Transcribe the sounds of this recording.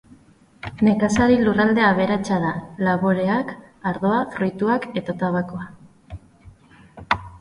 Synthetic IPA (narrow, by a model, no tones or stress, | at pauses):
ne̞kasaɾilurald̪e̞aβ̞e̞ɾat͡ʃað̞alaβoɾe̞ak | aɾðo̞afɾujt̪uake̞t̪at̪aβakoa